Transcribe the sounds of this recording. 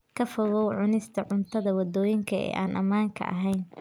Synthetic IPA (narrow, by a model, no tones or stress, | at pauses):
kʰɐfɐɣɔwʕʊnɪst̪ʰɐʕʊnt̪ʰɐðɐwɐd̪ɔːjɪŋkʰɐɛ̰ːʔaːnʔɐ̰maːŋkʰɐ̰ʔɐ̰ɦɛjn